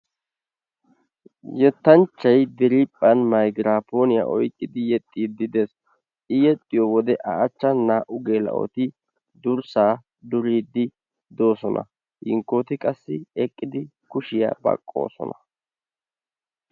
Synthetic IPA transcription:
jɛt̪ːɐnt͡ʃːɐjd̪ɛɾipʼːɐnmɐjɡɾaːpo̞ːnɪja̰ʔɔ̰jkʼːɪd̪ɪjɛt̪ʼːiːd̪ɪd̪es | ʔɪjɛt̪ʼːɪjɔwɔd̪ɛʔɐʔːt͡ʃːɐnaːʔʊɡeːlɐ̰ʔo̰t̪ɪ | d̪ʊɾsaː | d̪ʊɾiːd̪ːɪ | d̪o̞ːsɔnʔɐ̰ | hɪŋkːo̞ːt̪ɪkʼɐsːɪɛkʼːɪd̪ɪkʊʃɪja̰ːbɐ̰kʼːo̰ːsɔ̰nɐ

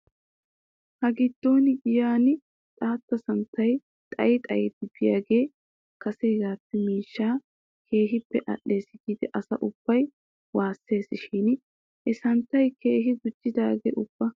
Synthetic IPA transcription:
hɐɡɪd̪̥ːo̞ːnɪɡɪjaːnɪ | t̪ʼaːt̪ːɐsɐnt̪ːɐj | t̪ʼɐ̰jɪt̪ʼɐjed̪ɪbɪjaːɡe̞ː | kɐsejɡaːpːɛmiːʃːaː | kʰe̞ːɦɪpːɛʔɐ̰ɗːe̞ːsɪɡiːd̪ɛʔɐsɐ̰ʔʊb̥ːɐj | waːsːe̞ːsɪʃin | ʔɛsɐnt̪ːɐjkʰe̞ːɦɪɡʊd͡ʒːɪd̪aːɡḛːʊb̥ːɐ

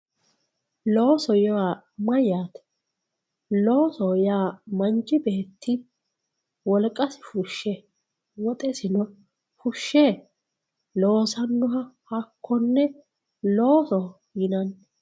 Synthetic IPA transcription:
lo̞ːsɔjaː | mɐjaːt̪ | lo̞ːsɔjaːmɐnt͡ʃʼːɪbe̞ːt̪ʰːɪ | wɔlkʼːɐsɪ̥fʊʃːɛ | wɔt̪ʼɛsɪnɔ | fʊʃːeː | lo̞ːsɐnːʊɦɐhɐkʰːɔnːɛ | lo̞ːsɔ | jɪnɐn

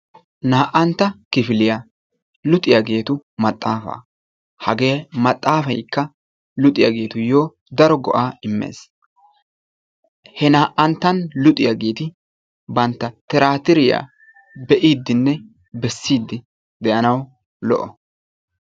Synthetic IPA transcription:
naːʔɐnt̪ːɐkɪfɪlɪja | lʊt̪ʼɪjaɡe̞ːt̪ʊmɐt̪ʼːaːfɐ̰ː | hɐɡe̞ːmɐt̪ʼːaːfɐjkːɐ | lʊt̪ʼɪjaɡe̞ːt̪ʊjo̞ː | d̪ɐɾɔɡɔ̰ʔaːɪmːḛːs | hɛnaːʔɐnt̪ːɐnlʊt̪ʼɪjaɡe̞ːt̪ɪ | bɐnt̪ːɐt̪ɛɾaːt̪ɪɾɪja̰ː | bɛʔiːd̪ːɪnːɛ | bɛsːiːd̪ːɪ | d̪ɛʔɐnɐw | lɔ̰ʔɔ

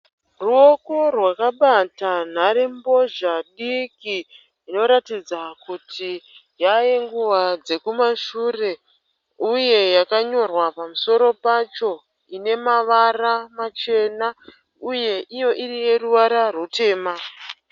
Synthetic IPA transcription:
ruo̞ko̞rwakaɓatan̤aɾembo̞ʒaɗiki | ino̞ɾatid͡zakutʰi | jajeŋɡuʋad͡ze̞kumaʃure̞ | uje̞jakaɲo̞rwapamuso̞ɾo̞pat͡ʃo̞ | ine̞maʋaramat͡ʃe̞na | uje̞ʔijo̞ʔirije̞ruʋaɾarwute̞ːma

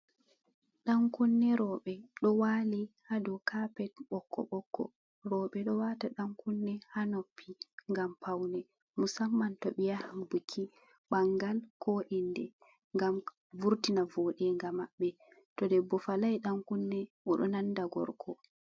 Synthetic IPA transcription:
ɗaŋkunːɛɾɔɓɛɗɔwalihadɔkapɛtɓɔkʰːɔ̰ɓɔkːɔ̰ | ɾɔɓɛɗɔwataɗaŋkunːɛhanopʰːiŋɡampʰawnɛ | musamːantɔɓijahambukʰːi | ɓaŋɡalkoʔindɛ | ŋɡam | vuɾtinavɔɗɛŋɡamaɓːɛ | tɔdɛbɔfalajɗaŋkunːɛʔɔɗɔnandaɡɔ̰ɾkʰɔ

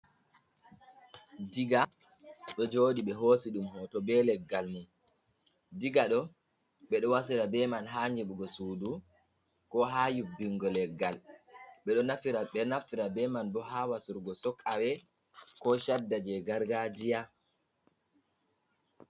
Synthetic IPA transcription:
diɡa | ɗɔd͡ʒoːdiɓɛɦosiɗumɦɔtɔbɛlɛɡːalmum | diɡaɗɔ | ɓɛɗɔwas̬iɾabɛmanɦaːɲd͡ʒɛɓuɡɔsuːdu | kɔɦajubːiŋɡɔlɛɡːalɓɛɗɔnafiɾaɓɛnaftiɾabɛmanbɔɦawasuɾɡɔsɔkʼːawɛ | kɔʃadːad͡ʒɛɡaɾɡad͡ʒija

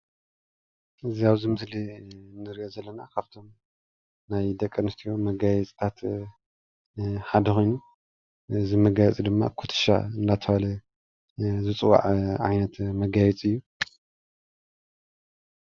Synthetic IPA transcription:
ʔɨziaβzimɨslinːɨɾiʔozɐlːɐnakʰaβt̪ʰo̞m | najd̪ɐkʼːɐnɨst̪ʰijomɐɡajɛt͡sʼt̪ʰat̪ | ħad̪ɐxojnu | ɨzimɐɡajɛt͡sʼid̪ɨmːa̰kʰut̪ʰɨ̥ʃa̰ɨnd̪at̪ʰɐβalɐ | zɨt͡sʼɨwːa̰ʕʕa̰jnɐt̪mɐɡajɛt͡sʼɨjːu

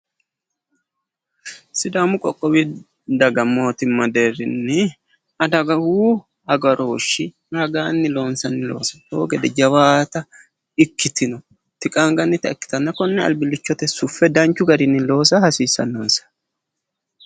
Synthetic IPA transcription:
sɪd̪aːmʊkʼɔkʼːɔwɪ | d̪ɐɡɐmo̞ːt̪ɪmːɐd̪e̞ːrɪnːɪ | ɐd̪ɐɡɐhuː | hɐɡɐɾoːʃːɪ | ɾɐɡaːnːɪlo̞ːnsɐnːɪlo̞̰ːsɐ̥t̪o̰ːɡɛd̪ɛd͡ʒɐwaːt̪ɐ | ɪkːɪt̪ɪnɔ | t̪ɪkʼaːŋɡɐnːɪt̪ɐɪkːɪ̥t̪ɐnːɐkɔnːɛɐ̰lbɪlːɪt͡ʃːɔt̪ɛsʊfːɛd̪ɐnt͡ʃːʊɡɐɾɪnːɪlo̞ːs̬ɐhɐsiːsːɐ̰nːoːnsɐ̥

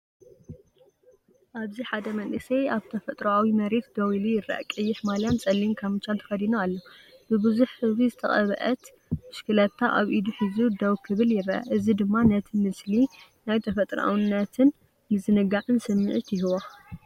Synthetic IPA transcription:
ʔaβziħad̪ɐmɐnʔɨsɐjaβt̪ʰɐfɐt̪ʼɾɐawimɐɾe̞t̪̚d̪owilujɪrɐ̰ʔa̰kʼɨjːɪħmaljant͡sʼɐlːimkʰamɨt͡ʃːant̪ʰɐfɐd̪inoalːobɨbɨzuħːɨzβizɨt̪ʰɐχʼɐβɐ̰ʔɐt̪ | mɨʃkʰɨlɐt̪ʰːaʔaβʔid̪uħɨzud̪owkʰːɨβɨljɪrɐʔa̰ʔɨzid̪ɨmːanɐt̪ʰimɨslinajt̪ʰɐfɐt̪ʼɾɐʔa̰wnːɐt̪ʰɨn | mɨzɨnɨɡaʕɨnsɨmːɨʕɨt̪jɪɦɨwa

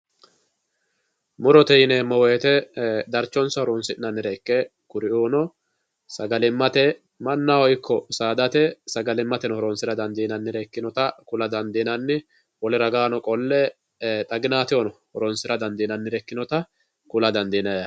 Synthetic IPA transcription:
mʊɾɔt̪ɛjɪneːmːɔweːt̪ɛd̪ɐɾt͡ʃːɔnsɐhɔɾɔnsɪɪnɐnːɪɾɛkːɛ | kʊɾɪʔoːnɔ | sɐɡɐlɪmːɐt̪ɛ | mɐnːawɔjkːɔsaːd̪ɐt̪ɛsɐɡɐlɪmːɐt̪ɛnɔhɔɾɔnsɪɾɐd̪ɐnd̪iːnɐnːɪɾɛkːɪnɔt̪ɐkʊlɐd̪ɐnd̪iːnɐnːɪ | wɔlɪɾɐɡaːnɔkʼɔlːɛ | t̪ʼɐɡɪnaːt̪ɪɔnɔhɔɾɔnsɪɾɐd̪ɐnd̪iːnɐnːɪɾɛkːɪnɔt̪ɐ | kʊlɐd̪ɐnd̪iːnɐjɐ

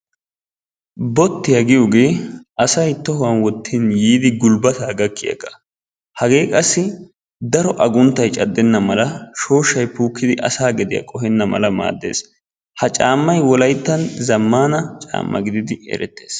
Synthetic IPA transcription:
bɔt̪ːɪjɐɡɪjɔɡe̞ːɐsɐjt̪ːɔɦʊwɐnwɔt̪ːinjiːd̪ɪɡʊlbɐt̪aːɡɐkʰːɪjɐ̰kːɐ̥ | hɐɡe̞ːkʼɐsːɪ | d̪ɐɾɔʔɐɡʊnt̪ːɐjt͡ʃʼɐd̪ːɛnːɐmɐlɐʃo̞ːʃːɐjpuːkːɪd̪ɪʔɐsaːɡɛd̪ɪjɐ̰kʼɔhɛnːɐmɐ̰lɐma̰ːd̪ːe̞̰ːs | hɐt͡ʃʼaːmːɐjwɔlɐjt̪ːɐnzɐmːaːnɐt͡ʃʼa̰ːmːɐ̰ɡɪd̪ɪd̪ɪɛ̰ɾɛt̪ːe̞̥̰ːs

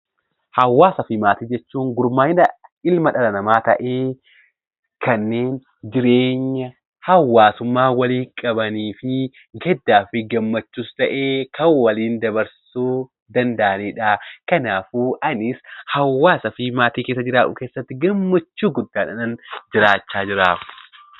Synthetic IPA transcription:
hɐwːaːsɐfɪmaːt̪iːd͡ʒɛt͡ʃːuːŋɡʊɾmaːɪnɐɪlmɐᶑɐlɐnɐmaːt̪ɐ̰ʔe̞ː | kɐnːe̞ːn | d͡ʒɪɾeːɲːɐ | hɐwːaːsʊmːaːwɐliːŋkʼɐbɐniːfɪ | ɡɛd̪ːaːfɪɡɐmːɐt͡ʃːuːst̪ɐʔeːkʰɐwwːɐliːnd̪ɐbɐɾssuː | d̪ɐnd̪ɐʔɐniːᶑakɐnaːfuːʔɐnɪshɐwːaːsɐfɪmaːt̪iːkeːsːɐd͡ʒɪɾaːᶑʊ̰keːsːɐt̪ːɪɡɐmːɐt͡ʃːuːɡʊd̪ːaːᶑɐnɐnd͡ʒɪɾaːt͡ʃːaːd͡ʒɪɾaːkʊ̥

